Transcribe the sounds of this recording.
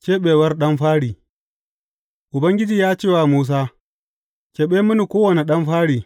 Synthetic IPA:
kʲeː˦ɓeː˨wɐ˦rɗɐ˦mɸaː˦ɽiː˨ | ʔʊ˨bɐ˦ŋɡʲɪ˦d͡ʒiː˨jaː˦t͡ʃeː˦˨waː˦muː˦s̬aː˦ | kʲe˨ɓeː˦mʊ˦ni˨kʷoː˦wɐ˨ne˨ɗɐ˦mɸaː˦ɽiː˨

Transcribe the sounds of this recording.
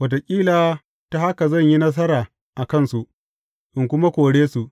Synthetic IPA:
wɐ˨t̬o˨kʲʼiː˦laː˨ | ta˦ha˦ka˨zɐ˦˨ɲji˦nɐ˦s̬ɐ˦ɾaː˨ | ʔa˨kɐ˦˨nsu˨ʔ | ʔɪ˨ŋkʷʊ˦ma˦kʷoː˨ɽeː˦su˨ʔ

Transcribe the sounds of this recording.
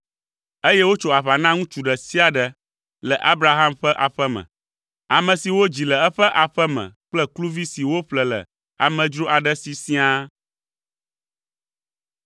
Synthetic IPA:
e˦jɛ˦wo˦t͡ʃo˨a˨βa˨nã˦ŋũ˦t͡ʃu˨ɖə˨si˦a˨ɖə˨ | lə˨ʔa˦bɾa˨ɦa˦mɸə˦ʔa˨ɸə˦mə̰̃˨ | a˨mə̃˨si˨wo˦d͡ʑi˨lə˨ɛ˦ɸə˦ʔa˨ɸə˦mɛ̰̃˨k͡plɛ˦klu˦vi˦si˨wo˦ɸlə˨lə̰˨ | a̰˨mə̃˨d͡ʒɾo˦ʔa˨ɖə˦si˨sĩ˦a˦

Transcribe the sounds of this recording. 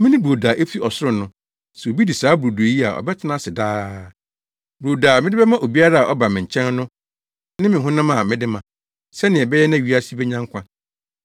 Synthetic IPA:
mɪ̃˦nɪ̃˦bo˨da˨ʔe˦fi˦ʔɔ˨sʊ˦ɾʊ̃˦nʊ̃˦ | sɛ˨o˨bi˦di˨saː˨˦bu˨ɾo˨du˨e˨ji˦a̰˨ʔɔ̰˨bɛ˦tʰɪ˦nã˦sɪ˨daː˦ | bɾo˨daː˨mɪ̃˦dɪ˦bɛ˦mã˦ʔo˨bi˦a˦ɾa˦a˨ʔɔ˦ba˨mɪ̃˨ɲ̩˨t͡ɕʰɛ̃˦n˦nʊ̃˦ | nɪ̃˦mɪ̃˨ɦʊ̃˦nã˦mã˨mɪ̃˦dɪ˦mã˨ | sɛ˦nɪ̃˨ɛ˨bɛ˦jɛ˦nã˦˨ɥi˦a˦si˦bɛ˦ɲã˦ŋ˦kʷʰã˦

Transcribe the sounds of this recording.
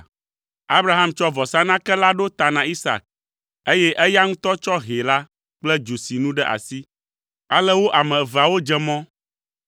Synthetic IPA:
a˦bɾa˦ɦa˦mt͡ʃɔ˦vɔ˨sa˦nã˦kɛ˦la˦ɖo˦t̪a˨nã˨i˦sa̰˨k̚ | e˦jɛ˦ʔɛ˦ja˦ŋũ˦t̪ɔ˦t͡ʃɔ˦ɦe˨la˦ | k͡plɛ˦d͡ʒu˨si˨nũ˦ɖɛ˦ʔa̰˨si˦ | a˦lɛ˦wo˦ʔa˨mɛ̃˨va˨wo˦d͡ʒɛ˦mɔ̃˦

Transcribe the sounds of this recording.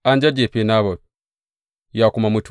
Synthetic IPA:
a˦nd͡ʒa˦d͡ʒe˨pe˨na˦βo˨ | ja˨ku˨ma˨mu˨˦tʰ

